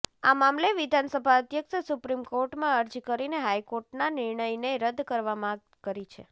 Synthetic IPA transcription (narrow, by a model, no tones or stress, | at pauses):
amamleʋid̪ʱansəbʱaəd̪ʱjəkʃsupɾimkoɾʈmãəɾd͡ʒkəɾineɦajkoɾʈnanɪɾɳəjɳəjɾəd̪kəɾʋamã | kəɾit͡ʃʰḛ